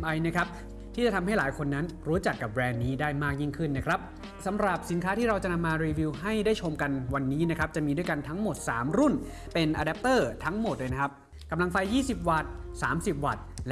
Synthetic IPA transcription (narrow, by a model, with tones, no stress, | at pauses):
mʔa˧jna˦˥kʰɾa˦˥p̚ | t̪ʰiː˥˩t͡ɕa˨˩t̪ʰa˧mɦa˥˩jlaː˩˦jkʰo˧nːa˦˥nɾuː˦˥t͡ɕa˨˩kːa˨˩p̚ɾɛː˧nːiː˦˥daː˥˩jmaː˥˩k̚ji˥˩ŋkʰɯ˥˩nːa˦˥kʰɾa˦˥p̚ | sa˩˦mɾa˨˩p̚si˩˦nkʰaː˦˥iː˥˩ɾa˧wt͡ɕa˨˩ʔna˧mːaː˧ɾiː˧wiː˧wɦa˥˩jdaː˥˩jt͡ɕʰo˧mka˧nwa˧nːiː˦˥na˦˥kʰɾa˦˥p̚t͡ɕa˨˩ʔmiː˧du˥˩jka˧nt̪ʰa˦˥ŋmo˨˩t̪̚saː˩˦mɾu˥˩n | pe˧nʔaː˧dɛ˦˥p̚t̪ɤː˥˩t̪ʰa˦˥ŋmo˨˩t̪̚loː˧jna˦˥kʰa˦˥p̚ | ka˧mla˧ŋfa˧jːiː˥˩si˨˩p̚wa˨˩t̪̚saː˩˦msi˨˩p̚wa̰˨˩t̪̚l